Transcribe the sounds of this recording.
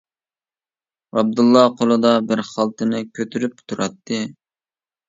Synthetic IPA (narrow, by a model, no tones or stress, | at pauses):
ɑb̚d̪ulˠːɑqʰolˠɨd̪ɑbɪɾχɑlˠt̪ɨnɪkʲʰøt̪ʰyɾyp̚t̪ʰuɾɑt̪ːɨ